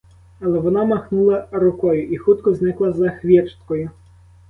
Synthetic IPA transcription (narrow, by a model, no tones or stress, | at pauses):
ɐlˠɛʋɔnɑmɐxnulˠɐɾʊkɔjʊʔixut̪kɔznɪklˠɐzɐxʋʲit͡ʃt̪kɔjʊ